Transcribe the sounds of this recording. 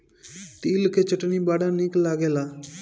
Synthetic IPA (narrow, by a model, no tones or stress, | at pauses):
t̪iːlkʰeːt͡ʃəʈniːbaːɽãːniklaːɡeːlaː